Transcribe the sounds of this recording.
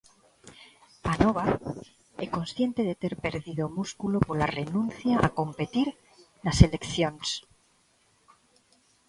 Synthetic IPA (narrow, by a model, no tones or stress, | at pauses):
anoβa | eko̞nsθjent̪e̞ðet̪e̞ɾpe̞ɾðiðo̞muskulo̞polare̞nũnθjaʔako̞mpe̞t̪iɾ | nase̞le̞kθjo̞ns